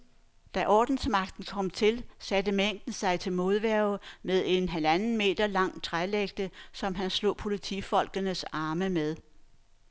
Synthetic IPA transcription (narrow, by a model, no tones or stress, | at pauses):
d̥æʔɒ̰ːd̥n̩smɑ̈ɡ̥̚d̥n̩kʰɒ̽m̰t͡sʰe̝lsæd̥əmeŋ̰d̥n̩sɑ̈ɪt͡sʰe̝lmo̝ð̞ˠʋæɐʊmeð̞ˠe̝nɦælænn̩me̝̰ːd̥ɐlɑ̈ŋ̰t͡sʰʁaleɡ̥̚d̥əsɒ̽mɦænslɔ̰ːpʰo̝lit͡sʰḭfɒ̽l̰ɡ̥ənəsɑ̈ːməmeð̞ˠ